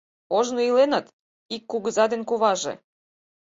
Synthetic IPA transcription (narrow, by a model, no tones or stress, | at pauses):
oʒnoilenət̪ | ikːuɣəzɑd̪enkuβɑʒḛ